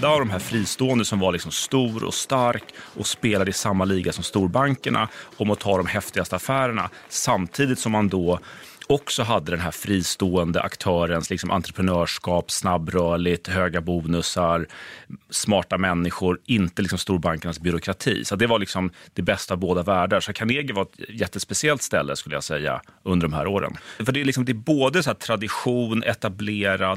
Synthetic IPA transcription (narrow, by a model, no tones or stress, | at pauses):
d̪aavd̪ɔmɦæːɾfɾiːst̪oːənd̪əsɔmvaɾlɪksɔmst̪uːɾɔ̰st̪aɾkʔɔspeːlad̪əɪsamːaliːɡasɔmst̪uːɾbaŋkəɳa̰ɔmɔt̪ʰɑːd̪ɔmhɛft̪ɪɡast̪əafæːɾəɳa̰ | samt̪ʰiːd̪ɪt̪sɔmːand̪ɔ | ɔksɔɦad̪ːəd̪ɛnɦæːɾfɾiːst̪oːənd̪ə̰ʔa̰kt̪ʰœːɾənslɪksɔmʔa̰nt̪ɾəpʰɾɛnœːʂkɑːpsnabːɾœːɭɪt̪ɦøːɡabuːnɵsaɾ | smɑːʈamɛnːɪɧʊɾɪnt̪əlɪksɔmst̪uːɾbaŋkənsbʏɾʊkʰɾat̪ʰḭːsat̪̚d̪ɛvaɭɪksɔmd̪̥ɛbɛst̪aːvboːd̪avæːɖaʂɔt̪kʰaneːɡəvaɾɛt̪jɛt̪ːəspɛsɪɛlt̪st̪ɛlːəskɵləja̰sɛjːa̰ɵnd̪əɖɔmhæ̰ːɾoːɾə̰nfœɖɛælɪksɔmd̪ɛæboːd̪əsɔæːʈʰɾad̪ɪɧuːnɛ̰t̪ableːɾa